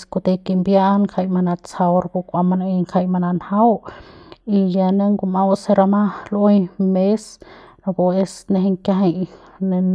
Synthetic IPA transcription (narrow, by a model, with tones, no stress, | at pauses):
sko˧t̪e˧ki˧mbja˦ŋkʰa˧jma˧na˧t͡sa˧wɾku˧kʷa˧ma˧na˧i˧ŋkʰa˧jma˧na˧nha˦w | i˧ja˧ne˧ŋɡu˧ma˧wse˧ɾa˧ma˦le˦jme˦sno˧ko˧e˧sne˧ɦe˧ŋkʲa˧ɦa˧jne˧